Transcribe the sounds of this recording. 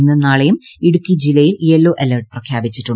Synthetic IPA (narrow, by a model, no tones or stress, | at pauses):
nːɐnaːɭɐjumiɽukʲːid͡ʑilɐjiljelːoːʔelɐrʈ̚prɐkʰjaːbit͡ɕːiʈːuɳ